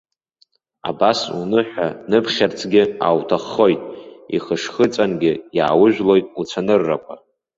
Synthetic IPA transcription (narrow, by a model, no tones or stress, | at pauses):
a̰basṵnɨħʷᶣanɨpʰχʲart͡sʰɡʲɪa̰wtʰaχːo̞jtʼiχəʂχət͡sʼanɡʲɪjaːwʊʒᶣlo̞jtʼut͡sʷʰanɨrːakʷʰʼa